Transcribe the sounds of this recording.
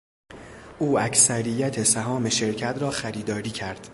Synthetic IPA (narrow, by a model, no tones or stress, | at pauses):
ʔuːæcʰsæɾijæt̪ʰesæɦɒːme̞ʃe̞ɾcʰæt̪ʰɾɒːxæɾiːd̪ɒːɾiːcʰæɾd̪̥